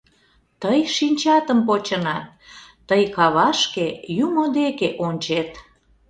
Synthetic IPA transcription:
t̪əjʃinʲt͡ɕɑt̪əmpot͡ɕənɑt̪̚ː | əjkɑβɑʃkejumod̪ekeʔonʲt͡ɕet̪

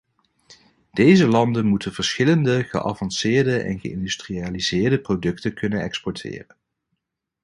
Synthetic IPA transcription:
d̥ejzəlɑndənmutənvəɹsχɪləndəχə̰ʔɑ̰vɑnsɪːɹdəʔɛ̰nχəɪ̰ndystriaːlizɪːɹdəprodɵktəkʰɵnənɛkspɔɹtʰɪ̰ːrən

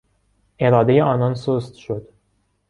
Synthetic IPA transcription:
eɾɒːd̪ejeɒːnɒːnsost̪ʃod̪̥

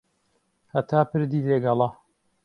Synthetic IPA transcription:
hɐt̪ʰaːpɨɾd̪iːd̪eɡɐlˠɑ

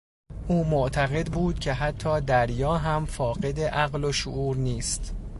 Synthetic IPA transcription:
ʔuːmoʔt̪ʰæɣe̞d̪buːd̪̥̚cʲʰe̞ɦæt̪ʰːɒːd̪æɾjɒːɦæmfɒːɢe̞d̪e̞ʔæɣlo̞ʃoʔuːɾniːst̪

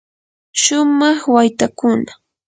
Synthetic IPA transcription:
ʃʊmɑχwajt̪akʊna

